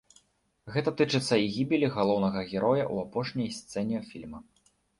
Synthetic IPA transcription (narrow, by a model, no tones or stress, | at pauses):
ɣɛt̪ɐt̪ɨt͡ʂɨt̪sːɐiɣʲibʲilʲiɣalˠɔwnɐɣɐɣʲɛɾʔɔjɐ̰ʔṵapɔʂnʲɐjst̪sɛnʲifʲilʲmɐ